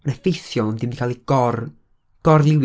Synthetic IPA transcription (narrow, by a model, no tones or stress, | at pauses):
ɔnɛfɪjsjɔlˠnd̪imd̪ikʰalˠiɡɔr | ɡ̥ɔrlˠɪw